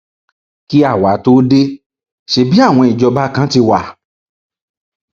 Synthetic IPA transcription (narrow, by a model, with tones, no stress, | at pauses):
ki˦a˦˨wa˨˦to˦de˦ | ʃe˧bi˦a˦˨w̃ɔ̃˧i˨d͡ʒɔ˧ba˦kã˦ti˧wa˨